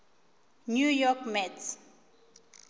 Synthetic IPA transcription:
njujɔkmɛts

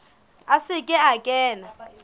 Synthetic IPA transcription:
asɪkʼɪakʼɛːna

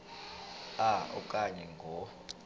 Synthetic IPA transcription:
aɔ̰kʼaɲɛŋɡʱɔ

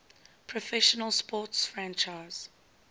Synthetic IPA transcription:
pʰɹɔfɛʃənəlˠspɔːˑtsfɹãnt͡ʃaɪz̥

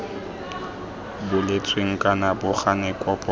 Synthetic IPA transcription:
bʊlet͡sʰʼweŋ̩kʼanabʊχanɛkʼɔpʼɔ

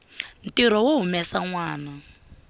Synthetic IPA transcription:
n̩tiɾɔwoɦumɛsaŋwaːna

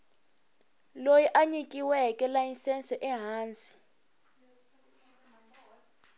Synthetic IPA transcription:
lojiʔaɲikʼiwɛkʼɛlajinsɛnsɛʔɛɦaːnt͡si̥

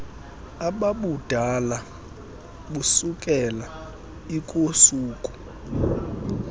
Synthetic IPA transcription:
aɓaɓud̥ʱala | ɓusukʼɛla | ikʼosuːkʼu̥

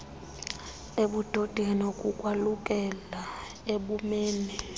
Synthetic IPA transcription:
eɓud̥ʱod̥ʱeŋnokʼukʼwalukʼɛla | eɓumeːni

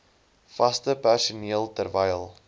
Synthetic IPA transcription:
fɐstəpærsuniəlˠtərvɛjlˠ

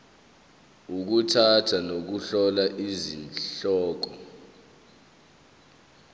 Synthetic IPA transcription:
uk̬utʰatʰanok̬uɬɔlaʔizinɬɔːk̬ɔ

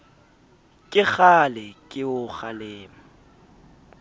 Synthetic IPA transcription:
kʼɪɣalɪkʼɪʊχaleːma

